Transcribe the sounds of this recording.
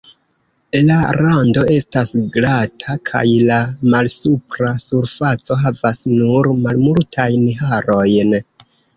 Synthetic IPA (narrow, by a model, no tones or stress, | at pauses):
laɾando̞e̞stasɡɾatʰakʰa̰jlamalsupɾasuɾfat͡so̞ɦavasnuɾmalmultʰajnɦaɾo̞jn